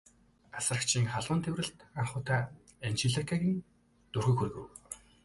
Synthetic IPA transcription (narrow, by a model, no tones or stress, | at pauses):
asə̆rə̆kt͡ɕʰiːŋχaɮʁʊ̆nt̪ʰewrɘ̆ɮt̪aɴχʊːt̪ʰaː | ent͡ɕiɮakʰaɣʲĭn | t̪urɣujxurɣɘ̰̆w